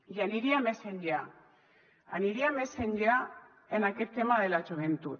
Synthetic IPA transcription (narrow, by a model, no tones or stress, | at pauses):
ʝaniɾiameseɲd͡ʒea | a̰niɾiameseɲd͡ʒea | enakeɾt̪emaðelat͡ʃoβent̪u